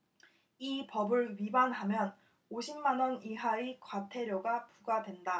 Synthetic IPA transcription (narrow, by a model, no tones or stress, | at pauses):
ipʌbɯɭɥibanɦamjʌn | oɕʰimːanʌniɦaikwatʰe̞ɾjoɡapuɡadwe̞nda